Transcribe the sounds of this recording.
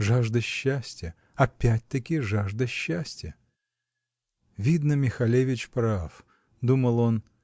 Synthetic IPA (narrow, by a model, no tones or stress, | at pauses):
ʐaʐd̪əɕːæsʲtʲjə | ɐpʲæt̚ʲt̪əkʲɪʐaʐd̪əɕːæsʲtʲjə | vʲid̪nəmʲɪxɐlʲevʲɪt͡ɕpɾaf | d̪uməlˠo̞n